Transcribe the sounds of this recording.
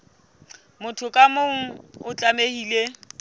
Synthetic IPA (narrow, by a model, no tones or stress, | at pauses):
mʊtʰʊkʼamoŋ̩ʊt͡ɬʼamehiːle